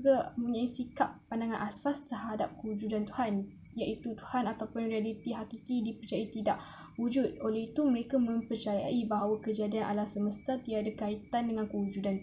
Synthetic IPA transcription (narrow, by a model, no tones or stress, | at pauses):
ɡamuɲaisikap̚ːandaŋanʔasast̪ərɦada̰p̚kəud͡ʒudant̪uhan | jaʔit̪ut̪u̥hanat̪awpʊnrialit̪iɦakikidipərt͡ʃaait̪ida̰ʔ | wud͡ʒʊt̪̚olɛhit̪uməɾekamə̃mpərt͡ʃaja̰ʔibaɦawakəd͡ʒadianʔa̰lahsəməst̪at̪idaadakait̪andəŋankəud͡ʒudan